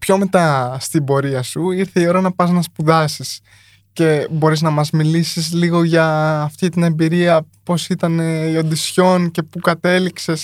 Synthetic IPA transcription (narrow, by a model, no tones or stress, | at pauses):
pço̞me̞t̪ɐst̪ibo̞ɾiɐsuiɾθe̞io̞ɾɐnɐpɐznɐspuðɐsis | ce̞bo̞ɾiznɐmɐzmilisizliɣo̞ʝɐːft̪it̪ine̞mbiɾiɐpo̞sit̪ɐneond̪isço̞nce̞pukɐt̪e̞likse̞s